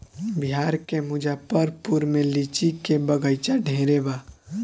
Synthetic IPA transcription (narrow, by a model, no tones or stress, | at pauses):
biɦaɾkemud͡ʒapəɾpuɾmelit͡ʃikebəɡəjt͡ʃaɖʱẽɾeba